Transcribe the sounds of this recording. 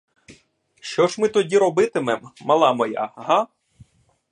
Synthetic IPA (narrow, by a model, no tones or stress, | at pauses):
ʃt͡ʃɔʒmɪt̪ɔdʲiɾɔbɪt̪ɪmɛmɐlˠɑmɔja̰ɦɑ